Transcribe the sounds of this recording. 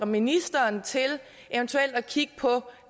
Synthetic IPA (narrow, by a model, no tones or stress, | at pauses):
ɐminisd̥ɐːnt͡sʰe̝l | ʔeʊənt͡sʰuel̰d̥ækʰiɡ̥̚əpʰɒ̽